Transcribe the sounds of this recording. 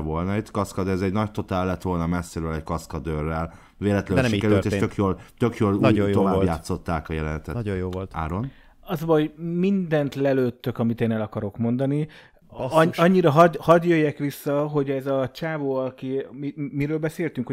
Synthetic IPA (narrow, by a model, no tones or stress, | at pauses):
volnɒit̪kɒskɒd̪ɛzɛɟnɒct̪o̞t̪aːlːɛt̪ʋo̞lnɒmɛsːeɾøːlɛɟkɒskɒd̪øːrːɛl | veːlɛt̪lɛnʃikɛɾylt̪eːtʃøkjoːlt̪ø̞kjoːlnːovaːbjaːt̪sːo̞t̪ːaːkɒjɛlɛnɛt̪ɛt̪ojoːola̰ːɾo̞n | ɒzbɒɦomind̪ɛnt̪lɛløːt̪ːøkɒmit̪eːnɛlɒkɒɾo̞kmo̞nd̪ɒni | ɒɲːiɾɒɦd̪hɒd̪jøjːɛkʋisːɒɦo̞ɟɛzɒt͡ʃaːvoːɒkiimiɾøːlbɛseːlt̪yŋko